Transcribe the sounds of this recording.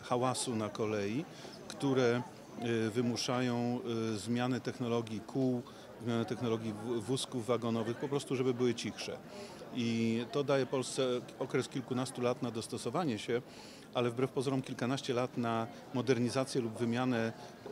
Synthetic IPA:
xawasunakɔlɛji | kt̪uɾɛ | vɘmuʂajɔ̃w̃zmʲjanɛt̪ɛxnɔlɔɡʲjikʰuw | zmʲjanɛt̪ɛxnɔlɔɡʲjivuskuvːaɡɔnɔvɘxpɔpɾɔst̪uʐɛbɘbɘwɘt͡ɕixʂɛ̰ | it̪ɔd̪ajɛpɔlst̪sɛɔkɾɛskʲilkunast̪ulat̪nad̪ɔst̪ɔsɔvaɲɛɕɛ | ʔalɛvbɾɛfpɔzɔɾɔmkʲilkanaɕt͡ɕɛlat̪na | mɔd̪ɛɾɲizat̪sʲjɛlubvɘmʲjanɛ

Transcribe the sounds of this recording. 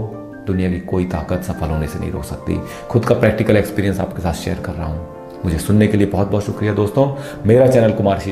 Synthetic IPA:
d̪ʊnijakikoːit̪a̰ːkət̪sɐpʰəlɦoːnesenɐ̰ɦĩɾo̰ːksɐk̚t̪ḭ | xʊd̪kapɾɛːk̚ʈɪkəlekspiːɾiə̃nsa̰ːpkesaːt̪ʰʃḛːəɾkɐɾːaɦa̰ɦũ | mʊd͡ʒʱesʊnːekeliebɔɦɔt̪̚bɔːt̪ʃʊkɾijad̪oːst̪õː | meːɾat͡ʃɛːnəlkʊmaːɾʃi

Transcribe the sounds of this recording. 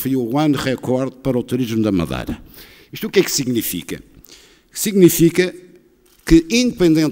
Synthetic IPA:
fojuwɐ̃nʁɛkɔɾðpɐɾɔt̪uɾiʒmud̪ɐmɐ̰ðɐ̰jɾɐ | iʃt̪ukɛksiɣnifḭkɐ̰ | siɣnifikɐ | kɨĩnd̪ɨpẽnd̪ẽn

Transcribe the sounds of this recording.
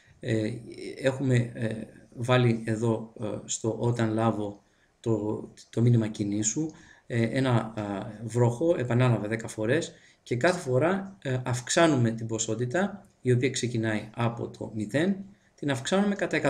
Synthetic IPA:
e̞xume̞ | vɐlie̞ðo̞st̪o̞ʔot̪ɐnlɐvo̞ | t̪ot̪o̞minimɐcinisu | e̞nɐ | vɾo̞xo̞e̞pɐnɐlɐvɐðe̞kɐfo̞ɾe̞s | ce̞kɐθe̞fo̞ɾɐɐfksɐnume̞t̪ibo̞so̞t̪it̪ɐ | io̞piɐkse̞cinɐiɐpo̞̰t̪ʰo̞̰miθe̞n | t̪inɐfksɐnume̞kɐt̪ɐe̞kɐ

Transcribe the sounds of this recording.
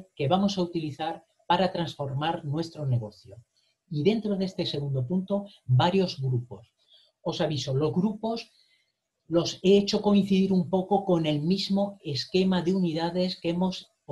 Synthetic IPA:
ke̞βamo̞saut̪iliθaɾ | paɾat̪ɾansfo̞ɾmaɾnwe̞st̪ɾo̞ne̞ɣ̞o̞θjo̞ | iðe̞nt̪ɾo̞ðe̞st̪e̞se̞ɣund̪o̞punt̪o̞baɾjo̞zɣɾupo̞s | o̞saβiso̞lo̞zɣɾupo̞s | lo̞se̞et͡ʃo̞ko̞in̟θiðiɾumpo̞ko̞ko̞ne̞lmizmo̞e̞ske̞maðeuniðaðe̞skemo̞s

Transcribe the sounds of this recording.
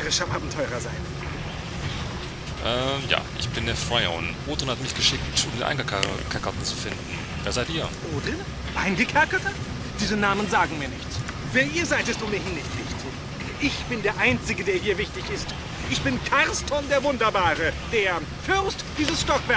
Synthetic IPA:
ʁəʃahaːbm̩tʰɔʏʁɐza̰ɪn | ʔɛːja̰ːʔɪ̰çb̥ɪndeːɐfʁ̥aɪo̰nʔoːtonhatmɪçɡ̥əʃɪktʊmdeːnʔa̰ɪŋɡkʰakɐtn̩t͡sufɪndn̩ | veːɐzaɪtʔiːɐvoːdʁɪnə | ʔaɪnɡəkʰɛɐkɐtə | d̥iːzənaːmənzaːɡŋ̩miːɐnɪçt͡s | vɛːɐʔiːɐzaɪtɛstʊːmiːɐɦɪnːɪçtv̥ɪçu | ʔɪçb̥ɪndeːɐʔaɪnt͡sɪɡədeːɐhiːɐvɪçtɪçɪst | ʔɪçb̥ɪnkʰaʁstʰɔndeːɐvʊndɐbaːʁəd̥eːɐ | fʏʁstd̥iːzəsʃtɔkv̥ɛɐ

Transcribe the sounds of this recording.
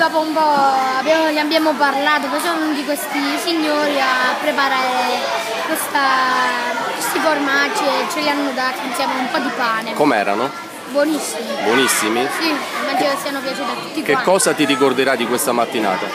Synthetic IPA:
d̪ɔːpoumpɔabjamoliabjaːmoparlaːt̪̬opɔsaavnnod̪ikwest̪isiɲːoːɾiapːɾepaɾaːɾe | kwest̪a | kwest̪iformat͡ʃːiet͡ʃːelianːod̪aːt̪insjɛːmeumpɔd̪ipaːnekomɛ̰ːɾa̰no | bwonisːimibwonisːimisiimːaːd͡ʒinesianopjat͡ʃuːt̪iat̪ːu̥t̪ːikeakːɔːzat̪iɾikord̪eɾad̪ikwest̪amat̪ːina̰ːt̪a̰

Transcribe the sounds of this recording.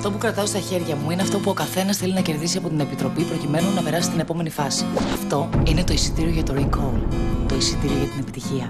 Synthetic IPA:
ft̪o̞pukɾɐt̪ɐost̪ɐçe̞ɾʝɐmuineɐft̪o̞puo̞kɐθe̞nɐsθe̞linɐce̞ɾðisiɐpo̞t̪ine̞pit̪ɾo̞pipɾo̞cime̞nunɐpe̞ɾɐsist̪ine̞po̞me̞nifɐsi̥ɐft̪o̞ine̞t̪o̞isi̥t̪iɾio̞ʝɐt̪o̞ɾikolt̪o̞isit̪iɾio̞ʝɐt̪ine̞pit̪içiɐ

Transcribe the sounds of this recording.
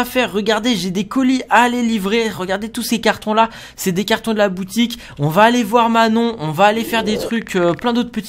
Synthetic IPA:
afɛʁːəɡaʁd̪eʒed̪ekɔliʔalelivʁeʁəɡaʁd̪et̪usekaʁt̪ɔ̃la | sɛd̪ekaʁt̪ɔ̃d̪əlabut̪ik | ɔ̃vaːlevwaʁmanɔ̃ɔ̃vaːlefɛʁd̪et̪χykʲøplɛ̃d̪ot̪χpət̪i

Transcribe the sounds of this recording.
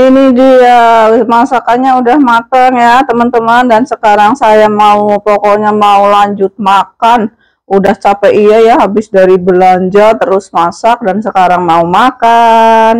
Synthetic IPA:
inidiəmasakaɲaudahmat̪aŋjat̪əmant̪əmandansəkaɾaŋsajamaupokoɲamaulaɲd͡ʒʊt̪̚makan | udaht͡ʃapaiajaɦabɪsdaɾibəlaɲd͡ʒart̪əɾʊsmasak̚dansəkaɾaŋmaumakan

